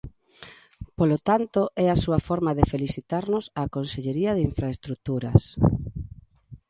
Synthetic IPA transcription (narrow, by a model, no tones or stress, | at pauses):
polot̪ant̪oʔɛasuɐfɔɾmaðefeliθit̪aɾnʊsaːkonseʎeɾiɐðeiɱfɾaest̪ɾut̪uɾɐs